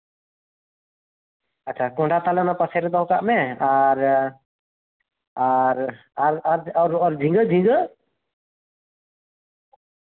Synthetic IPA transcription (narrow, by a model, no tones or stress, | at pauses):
at͡ʃʰakɔ̃ɳɖat̪alɔnapasɛɾɛd̪ɔɦkaʔmɛaɾ | aɾ | aɾaɾaɾɔɾd͡ʒʱĩŋɡəd͡ʒʱĩŋɡə